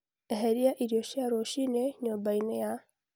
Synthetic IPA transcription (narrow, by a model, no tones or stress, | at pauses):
eɦeɾiaʔiɾjoʃaɾoʃineɲobaineja